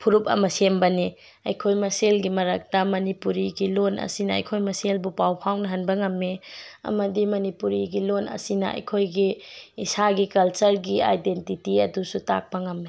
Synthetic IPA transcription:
pʰuɾup̚ɐ̰mɐsembɐni | ɐjkʰojmɐselɡimɐɾak̚tɐmɐnipuɾiɡilonɐ̰sinɐɐ̰jkʰojmɐselbupawpʰawnɐɦɐnbɐŋɐmːiɐ̰mɐdimɐnipuɾiɡilonɐ̰sinɐɐ̰jkʰojɡiːsaɡikɐlt͡ʃɐɾɡia̰jdentitiɐ̰dusuta̰k̚pɐŋɐmːe

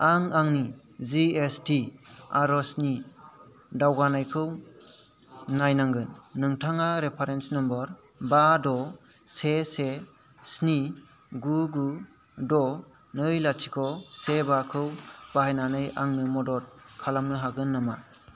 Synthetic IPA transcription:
aŋaŋni | ziestiaɾɔsni | dawɡanajkʰɯw | najnaŋɡɯnːɯŋtʰaŋaɾepʰaɾensnɔmbɔɾ | badɔ | sese | sni | ɡuɡu | dɔ | nɯjlatʰikʰɔsebakʰɯwb̥ahajnanɯjaŋnɯmɔdɔɾ̚kʰalamnɯɦaɡɯnːɯma

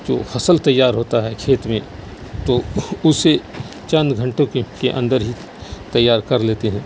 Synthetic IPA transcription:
d͡ʒo̰ːfʰɐsəlt̪ɐjːaːɾɦoːt̪aɦɛkʰeːt̪mẽ | t̪oʊse | t͡ʃɐ̃nd̪ɡʱɐ̃ɳʈõkkeʔɐ̰̃nd̪əɾɦi | t̪ɐjːaːɾkɐɾleːt̪eɦɛ̃ː

